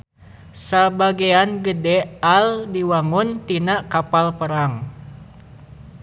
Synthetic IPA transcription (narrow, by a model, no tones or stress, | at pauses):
sabaɡeanɡədɛaldiwaŋunt̪inaʔkapalpəɾaŋ